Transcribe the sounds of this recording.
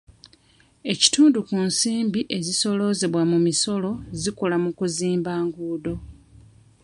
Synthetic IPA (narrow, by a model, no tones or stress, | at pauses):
e̞ci̥tuːndukunsiːmbiʔe̞ziso̞lo̞ze̞βwamumiso̞lo̞zikolamukuziːmbaːŋɡuːdo̞